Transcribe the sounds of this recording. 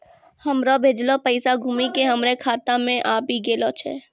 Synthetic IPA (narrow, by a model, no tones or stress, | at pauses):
həmɾobʱeːd͡ʒlopəɪsaɡʱuːmikeɦəmɾekʰaːt̪ãmẽʔaːpiɡeːlot͡ʃʰɛ̰ː